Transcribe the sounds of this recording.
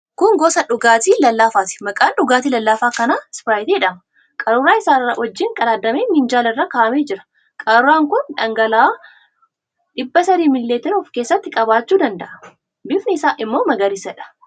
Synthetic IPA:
kʊŋɡɔsɐᶑʊɡaːt̪iːlɐlːaːfaːt̪ɪ̥mɐkʼaːnᶑʊɡaːt̪iːlɐlːaːfaːkɐnaːspɾaːjɪt̪iɛᶑɐmɐ | kʼɐɾʊɾaːɪsaːrːɐwɐd͡ʒːɪŋkʼɐlaːd̪ːɐmeːnhɪnd͡ʒaːlɐɪrːɐkaːʔɐmeːd͡ʒɪɾɐ̥ | kʼɐɾɾaːŋkʊnᶑɐŋɡɐlː | ᶑɪbːɐsɐɾiːmɪlːeːt̪ɪɾʊfkeːsːɐt̪ːɪkʼɐbaːt͡ʃːuːd̪ɐnd̪ɐʔɐ | bɪfnɪɪsaːʔɪmːo̞ːmɐɡɐɾɪsɐᶑɐ̥

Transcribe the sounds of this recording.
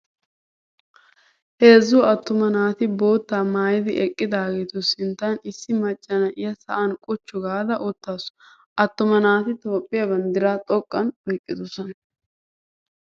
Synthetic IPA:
he̞ːzːuːɐt̪ːʊmɐnaːt̪ɪbo̞ːt̪ːaːmaːjɪd̪ɪʔɛkʼːɪd̪aːɡeːt̪ʊsɪnt̪ːɐnɪsːɪmɐt͡ʃʼːɐnɐʔɪjɐsɐ̰ʔɐnkʼʊt͡ʃːʊɡaːd̪ɐʔʊt̪ːaːs | ʔɐt̪ːʊmɐnaːt̪ɪt̪o̞ːpʼːɪjɐbɐnd̪ɪɾaːt̪ʼɔkʼːɐnɔjkʼːɪd̪ʊsɔn

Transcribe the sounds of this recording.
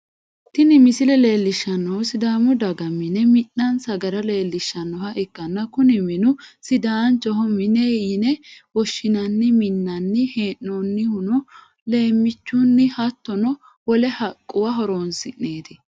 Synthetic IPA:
t̪ːɪnɪmɪsɪlɛle̞ːlːɪʃːɐnːɔwsɪd̪aːmʊd̪ɐɡɐmːɪnɛmɪnːɐnsɐɡɐɾɐle̞ːlːɪʃːɐnːɔhɐʔɪkːɐnːɐkʊnɪmɪnʊsɪd̪aːnt͡ʃɔɦɔmɪnɛjɪnɛwɔʃːɪnɐnːɪmɪnːɐnːɪheːnːonːɪhʊnʊ | le̞ːmːɪt͡ʃːʊnːɪhɐt̪ːɔnɔ | wɔlɛhɐkʼːʊwɐɦɔɾoːnsɪʔːeːt̪ɪ

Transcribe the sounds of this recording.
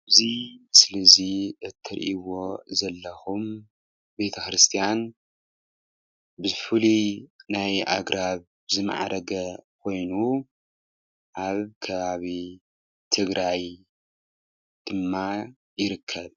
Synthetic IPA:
ɨzisɨlɐziʔɨt̪ʰːɨɾʔiwo̞zɐlːɐxum | be̞t̪ʰɐxɾɨst̪ʰijan | bɨfulinajʔa̰ɡɾʔaβ | bɨzɨma̰ʕ̰ɾɐɡɐkʰo̞jnu | ʔaβkʰɐβaβi | t̪ʰɨɡɾʔaj | d̪̥ɨmːa | jɪɾɨkʰːɐβ

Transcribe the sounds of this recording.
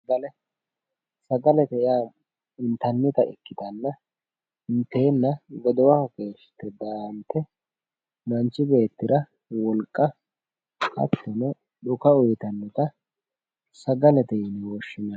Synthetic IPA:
sɐɡɐlɛ | sɐɡɐlɛt̪ɛjaː | ɪnt̪ɐnːɪt̪ɐʔɛ̰kːɪt̪ɐnːɐ | ɪnt̪e̞ːnːɐɡɔd̪ɔwɐkɐke̞ːʃɪ̥t̪ːɛd̪ant̪ʰːɛ | nɐnt͡ʃːɪbe̞ːt̪ːɪɾɐ | wɔlkʼːɐ | ɐ̰t̪ːɔnɛ | ᶑʊkɐʊjt̪ɐnːɪt̪ɐ | sɐɡɐlɛt̪ɛɪnɪwɔʃːɪnɐ

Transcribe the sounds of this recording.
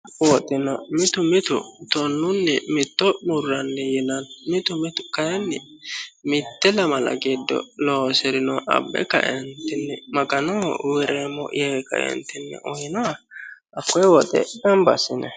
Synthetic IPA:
wɔt̪ʼɪnɐmɪt̪ʊmɪt̪ʊ̰t̪ɔnːʊnːɛmɪt̪ːɔmʊrːɐnːɛjɛnɐnmɪt̪ʊmɪt̪ʊ̥kɐjɛnːɪ | mɪt̪ːɛlɐmɐlɐ̰ɡed̪ːɔ̰loːsɛɾɪnɔʔɐ̰bːɛ̰kɐ̰ʔɛnt̪ɪnːɛmɐɡɐnɔwɛɾeːmːɔ̰ʔjɛkɐ̰ʔɛ̰nt̪ɪnːɛ̰ʔɔhɪnɔ | ɐkːɔjɛwɔt̪ʼɛ̰dɐmbɐsɪnɛ

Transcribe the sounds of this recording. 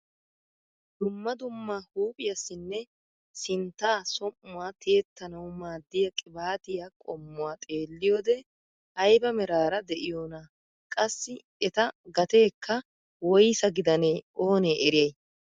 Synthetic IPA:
d̪ʊmːɐd̪ʊmːahuːpʼɪjɐsːɪnːɛ | sɪnt̪ːaːsɔmːʊwaːt̪ʰeːt̪ːɐnɐwmaːd̪ːɪjɐkʼɪbaːt̪ɪjakʼɔmːʊwaːt̪ʼeːlːɪjoːd̪ɛ | ɐjbɐmɛɾaːɾɐd̪ɛʔɪjoːnɐ | kʼɐsːɪ | ɛt̪ɐɡɐt̪e̞ːkːɐ | wɔjsɐɡɪd̪ɐneːo̞ːneːʔɛɾɪjɐj

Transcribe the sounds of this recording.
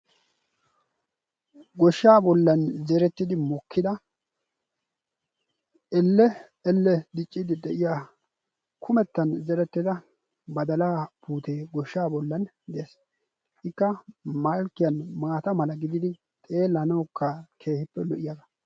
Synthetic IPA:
ɡɔʃːaːbɔlːɐnzɛɾɛt̪ːɪd̪ɪmɔkːɪd̪ɐ | ɛlːɛ | ɛlːɛd̪ɪt͡ʃʼːɪd̪ɪd̪ɛʔɪjaː | kʰʊmɛt̪ːɐnzɛɾɛt̪ːɪd̪ɐ | bɐd̪ɐlaːpuːt̪eːɡɔʃːaːbɔlːɐn | d̪ɛeːs | ʔɪkːɐmalkːɪjɐnmaːt̪ɐmɐlɐɡɪd̪ɪd̪ɪ | t̪ʼe̞ːlːɐnɐwkːɐkʰe̞ːhɪpːɛlɔʔɪjaɡɐ̥

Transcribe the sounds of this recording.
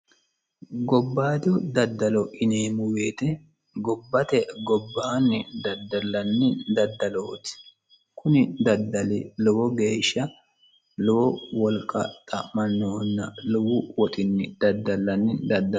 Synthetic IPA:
ɡɔbːaːd̪ɔd̪ɐd̪ːɐlɔʔɪneːmʊweːt̪ɛ | ɡɔbːɐt̪ɛɡɔbːaːnːɪd̪ɐd̪ːɐlːɐnːɪd̪ɐd̪ːɐloːt̪ɪ̥ | kʊnɪd̪ɐd̪ːɐlɪlɔwɔɡe̞ːʃːɐ | lɔwɔwɔlkʼːɐ̰t̪ʼɐmɐnːoːnːɐlɔwʊwɔt̪ʼɪnːɪd̪̥ɐd̪ːɐlːɐnːɪd̪ɐd̪ːɐ

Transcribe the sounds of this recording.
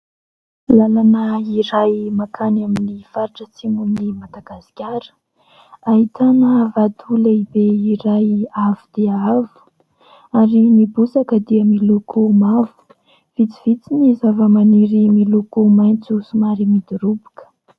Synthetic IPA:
lalanəiɾajmakʰanaminifaɾiʈ͡ʂət͡simumnimad̪aɡasi̥kʲaɾə̥ | aɦit̪ʰanəvat̪ʰuləibeiɾajavud̪̥eavu̥ | aɾinibusakəd̪iəmilukʰumavu̥ | v̥it͡siv̥it͡sinizavəmaniɾimilukumajnt͡susumaɾimid̪uɾubukə̥

